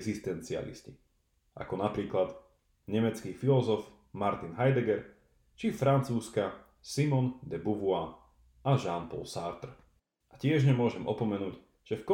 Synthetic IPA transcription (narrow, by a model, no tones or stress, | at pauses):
ɡzist̪ɛnt͡sia̰lḭsci | ʔa̰kɔnapɾiːklad̪ | ɲɛmɛt͡skiːfilɔzɔf | maɾt̪inɦajd̪ɛɡɛɾ | t͡ʃifɾant͡suːska | simɔnd̪ɛbuʋua | aʒanpɔ̰lsaːɾt̪r | ʔacɪɛʒɲɛmʊɔʒɛmʔɔpɔmɛnuːɟ | ʒ̥ɛfkɔ